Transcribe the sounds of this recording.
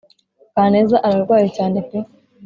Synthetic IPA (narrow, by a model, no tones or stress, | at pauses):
kaːne̞ːzaʔaɾaɾɡwaːjecaːnepe